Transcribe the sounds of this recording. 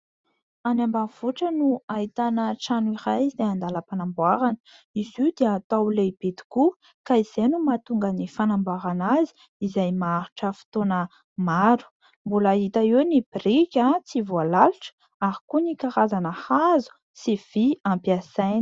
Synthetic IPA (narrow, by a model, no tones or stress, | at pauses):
anambanv̥uʈ͡ʂənuait̪anəʈ͡ʂaniɾajd̪eand̪aləpanambwaɾanə̥ | iziud̪eːt̪awleib̥et̪i̥ku | kaiz̥enumat̪uŋɡənifanambaɾanazi̥ | izajmaaɾuʈ͡ʂəfi̥t̪onə | maɾu̥ | mbulaɦit̪əewnib̥irikʲat͡sivualaluʈ͡ʂə̥ | aɾikunikaɾazanəhazu̥ | siv̥iampiasajn